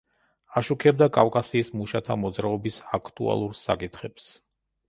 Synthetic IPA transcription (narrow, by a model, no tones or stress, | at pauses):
aʃukʰɛbd̪akʼafkʼasiːsmuʃat̪ʰamɔd̪zɾaɔbisakʰt̪ʼua̰lˠuɾsa̰kʼit̪ʰχɛps